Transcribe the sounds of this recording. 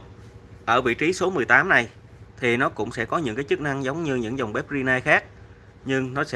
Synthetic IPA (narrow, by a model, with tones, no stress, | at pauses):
ʔəː˧˩vḭ˧˨t͡ɕi˨˦so˨˦mɨ˨˩əjt̪aː˨˦mna˨˩j | t̪ʰi˨˩nɔ˨˦kʊ̰˧˥ŋ͡msɛ̰˧˥kɔ˨˦ɲɨ̰˧˥ŋkaː˨˦jt͡ɕɨ˦˥k̚na˧ŋzə˨˦wŋ͡mɲɨ˧ɲɨ̰˧˥ŋza˨˩wŋ͡mɓɛ˦˥p̚zi˧naː˧jxaː˦˥k̚ | ɲɨ˧ŋnɔ˨˦sɛ̰˧˥